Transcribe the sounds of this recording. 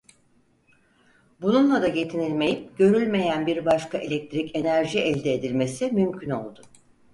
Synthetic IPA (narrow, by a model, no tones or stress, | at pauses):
bununlˠad̪aje̞t̪ʰinilʲme̞jip̚ɟø̞ɾylʲme̞jænbiɾbaʃkaʔe̞lʲɛc̚t̪ɾice̞næɾʒiʔɛlʲd̪eːd̪ilʲme̞simymcʰyno̞lˠd̪ʊ